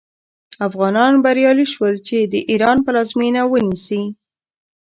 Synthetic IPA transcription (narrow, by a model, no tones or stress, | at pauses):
afɣɑnɑnbaɾjɑliʃwəlt͡ʃed̪əʔiɾɑnpəlɑzminawənisi